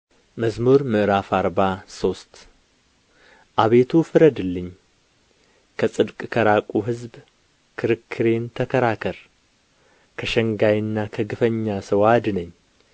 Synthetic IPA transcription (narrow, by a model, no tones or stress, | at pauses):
məzmuɾmɨʔɨɾafaɾbaso̞st̪ | ʔaβe̞t̪ʰufɨɾəd̪ɨlːɨɲː | kʰəsʼɨd̪kʼkʰəɾakʼuɦɨzb | kʰɨɾɨkʰːɨɾe̞nt̪ʰəkʰəɾakʰəɾ | kʰəʃəŋɡajɨnːakʰəɡɨfəɲːasəwad̪ɨnəɲː